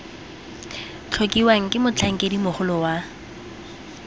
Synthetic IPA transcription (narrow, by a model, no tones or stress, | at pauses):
t͡ɬʰokʼiwaŋ̩kʼɪmʊt͡ɬʰaŋ̩kʼedimʊχʊlʊwa